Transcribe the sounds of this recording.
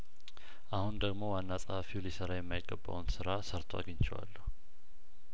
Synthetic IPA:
ʔahund̪əɡmo̞wanːasʼəhafilisəɾajɛmːajɪɡːəbːa̰wnsɨɾasəɾt̪ʰwa̰ɡəɲt͡ʃɪwa̰lːəh

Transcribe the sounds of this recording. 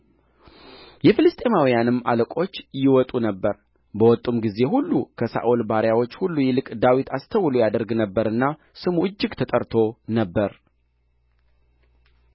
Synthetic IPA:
jɛfɨlɨst̪ʼe̞mawijanɨmːaləkʼo̞t͡ʃːjɪwɔt̪ʼunəbːəɾ | bəwɔt̪ʼːumɡize̞hulːukʰəsa̰ʔulbaɾjawo̞t͡ʃːhulːujɛlɨkʼd̪awit̪ʰast̪ʰəwlujad̪əɾɡnəbːəɾɨnːa | sɨmuɨd͡ʒːɪɡt̪ʰət̪ʼəɾt̪ʰo̞nəbːəɾ

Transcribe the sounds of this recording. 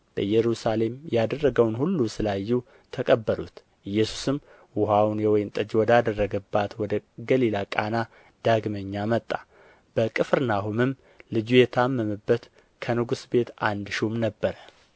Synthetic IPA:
b̥əjɛɾusale̞mjad̪ərːəɡəwnhulːusɨlajːu | t̪ʰəkʼəbːəlut̪ | ʔɨjːɛsu̥sɨm | wʊɦawnɛwɔjɪmt̪ʼɨd͡ʒwɔd̪ad̪ərːəɡəbːat̪wɔd̪əɡəlilakʼana | d̪̥aɡməɲːamət̪ʼːḁ | b̥əkʼɨfɾɨnaɦumɨm | lɨd͡ʒujɛt̪ʰamːəmɨbːət̪ | kʰənɨɡusbe̞t̪and̪ʃumnəbːəɾə

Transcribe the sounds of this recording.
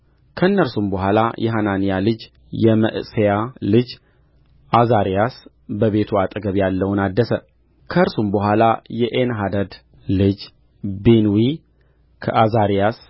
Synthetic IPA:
kʰəɨnːəɾsumbəɦʷalajʔɛɦananijalɨd͡ʒ | jɛmə̰ʔɨsejalɨd͡ʒ | azaɾijas | bəβe̞t̪ʰuat̪ʼɡəβjalːəwunad̪ːəsə | kʰəɨɾsumbəɦʷalajɛʔenɦad̪əd̪ | lɨd͡ʒ | benwi | kʰəʔazaɾijas

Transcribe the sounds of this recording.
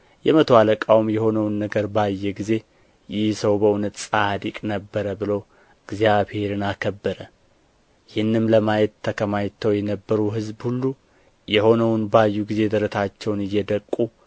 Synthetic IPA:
jɛmət̪ʰəwaləkʼawmjɛho̞nəwnːəɡəɾbajːɛɡize̞ | jɪhsəwbəunət̪sʼad̪ikʼnəbːəɾəbɨlo̞ | ɨɡzijaβhe̞ɾɨnakʰəbːəɾə | jɪhɨnːɨmləmajɛt̪ʰːəkʰəmajt̪ʰːəwjɛnəbːəɾuɦɨzbhulːu | jɛho̞nəwnbajːuɡize̞d̪əɾət̪ʰat͡ʃːɛwnɨjːɛd̪əkʼːu

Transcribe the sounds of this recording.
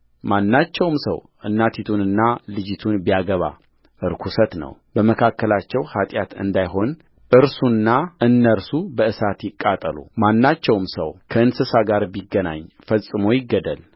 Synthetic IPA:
manːat͡ʃːɛwmsə̰w | ʔɨnːat̪ʰit̪ʰunɨnːalɨd͡ʒɪt̪ʰunbijaɡəβa̰ | ʔɨɾkʰusət̪nə̰wbəməkʰakːəlat͡ʃːɛwhat̪ʼjat̪ɨ̰nd̪ajɦo̞n | ʔɨɾsunːaʔɨnːəɾsubəɨsat̪jɪkʼːat̪ʼəlṵmanːat͡ʃːɛwmsə̰wkʰəɨnsɨsaɡaɾbiɡːəna̰ɲː | fəsʼɨmo̞jɪɡːəd̪əl

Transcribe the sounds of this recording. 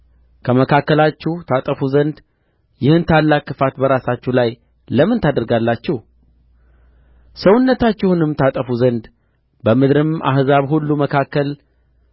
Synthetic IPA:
kʰəməkʰakːəlat͡ʃːɪht̪ʰat̪ʼəfuzənd̪ | jɪhɨnt̪ʰalːakːɨfat̪bəɾasat͡ʃːɛlaj | ləmɨnt̪ʰad̪əɾɡalːat͡ʃːɪh | səwʊnːət̪at͡ʃːɪhunɨmt̪ʰat̪ʼəfuzənd̪ | bəmɨd̪ɾɨmʔa̰hzaβhulːuməkʰakːəl

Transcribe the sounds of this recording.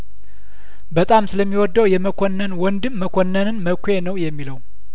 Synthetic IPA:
bət̪ʼamsɨləmːiwɔd̪ːəwjɛməkʷʰonːənwɔnd̪ɨmːəkʷʰonːənɨnməkʷʰenəwjɛmːiləw

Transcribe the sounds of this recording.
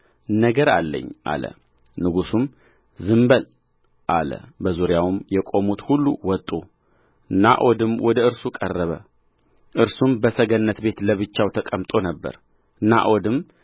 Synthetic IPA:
nəɡəɾa̰lːə̰ɲːʔa̰lə̰ | nɨɡusum | zɨmbəl | ʔalə̰bəzuɾjawɨmjɛkʼo̞mut̪hulːuwɔt̪ʼːu | ɨnːa̰ʔod̪ɨmwʔɔd̪əɨɾsukʼərːəβə | ʔɨɾsumbəsəɡənːət̪be̞t̪ləβɨt͡ʃːawt̪ʰəkʼəmt̪ʼo̞nəbːə̰ɾ | ɨnːa̰ʔod̪ɨm

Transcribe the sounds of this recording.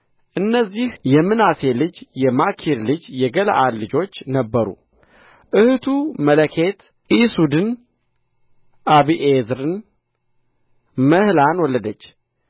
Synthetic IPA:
ʔɨnːəzːihjɛmːɨnase̞lɨd͡ʒjɛmakʰiɾlɨd͡ʒjɛɡələ̰ʔalːɨd͡ʒo̞t͡ʃːnəbːəɾṵ | ʔɨhɨt̪ʰumələkʰe̞t̪ | ʔisud̪ɨn | ʔaβiʔezɾɨn | məhlanwɔlːəd̪ət͡ʃː

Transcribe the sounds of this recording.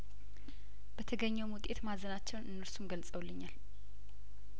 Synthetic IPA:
b̥ət̪ʰəɡəɲːɛwmwʊt̪ʼe̞t̪mazənat͡ʃːɛwnɨnːəɾsumɡəlsʼəwlːɨɲːal

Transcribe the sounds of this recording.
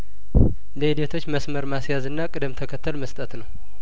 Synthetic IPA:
ləid̪et̪ʰo̞t͡ʃːməsməɾmasjazɨnːakʼɨd̪ɨmt̪ʰəkʰət̪ʰːəlməst̪ʼət̪nəw

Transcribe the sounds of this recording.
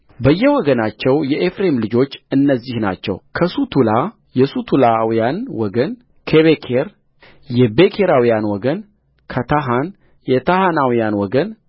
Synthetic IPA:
bəjːɛwɔɡənat͡ʃːɛwjɛʔefɾemlɨd͡ʒo̞t͡ʃːɨnːəzːihna̰t͡ʃːɛ̰wkʰəsut̪ʰula | jɛsut̪ʰulawjanwɔɡən | kʰeβekʰeɾ | jɛbekʰeɾawijanwɔɡən | kʰət̪ʰaɦan | jɛt̪ʰahanawijanwɔɡən

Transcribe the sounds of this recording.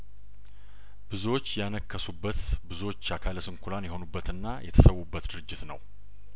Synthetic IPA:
b̥ɨzo̞t͡ʃːjanəkːəsubːət̪bɨzo̞t͡ʃːakʰaləsɨŋkʰulanjɛho̞nubːət̪ɨnːajɛt̪ʰə̥səwːubːət̪d̪ɨɾɨd͡ʒːɪt̪nə̰w

